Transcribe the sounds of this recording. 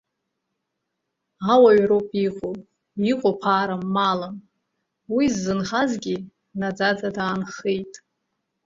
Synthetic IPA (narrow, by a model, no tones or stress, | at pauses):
awaɥɾopʼiqʼo | iqʼopʰaːɾamːalan | wizːɨnχazɡʲi | nad͡zad͡zadaːnχejtʼ